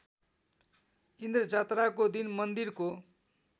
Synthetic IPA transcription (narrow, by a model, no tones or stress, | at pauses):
ind̪rʌd͡zat̪rakod̪inmʌnd̪irko